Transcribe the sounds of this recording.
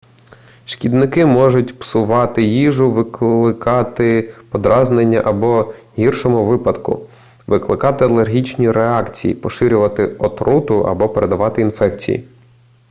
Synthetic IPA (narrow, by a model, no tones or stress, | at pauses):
ʃkʲid̪nɪkɪmɔʒʊtʲpsʊʋɑt̪ɪjiʒʊʋɪklˠɪkɑt̪ɪpɔd̪ɾɑznenʲːɐʔɐbɔ | ɦirʃɔmʊʋɪpɐd̪kʊ̰ | ʋɪklˠɪkɑt̪ɪɐlˠerɦʲit͡ʃnʲiɾeɑkt͡sʲijḭpɔʃɪɾʲʊʋɐt̪ɪɔt̪ɾut̪ʊʔɐ̰bɔpeɾed̪ɐʋɑt̪ɪinfɛkt͡sʲḭjḭ